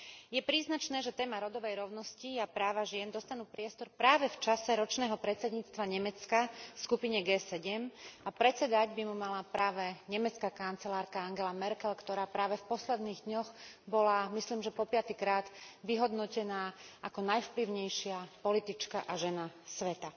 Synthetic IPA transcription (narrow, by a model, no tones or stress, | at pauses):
jɛpɾiːznat͡ʃnɛːʒɛt̪ɛːmaɾɔd̪ɔʋɛjɾɔʊnɔsciapɾaːʋaʒɪɛnd̪ɔst̪anuːpɾɪɛst̪ɔɾpɾaːʋɛft͡ʃasɛɾɔt͡ʃnɛːɦɔpɾɛt̪t͡sɛd̪ɲiːt͡st̪ʋaɲɛmɛt͡skafskupiɲɛɡɛːsɛɟɛmapɾɛt͡sɛd̪aɟbimumalapɾaːʋɛɲɛmɛt͡skakant͡sɛlaːɾkaaŋɡɛlamɛɾkɛlkt̪ɔɾaːpɾaːʋɛfpɔslɛd̪niːɣd̪ɲɔxbɔlamisliːmʒɛpɔpɪat̪ikɾaːd̪ʋiɦɔd̪nɔcɛnaːakɔnajfpliʊɲɛjʃɪapɔlit̪it͡ʃka̰ʔaʒɛnasʋɛt̪a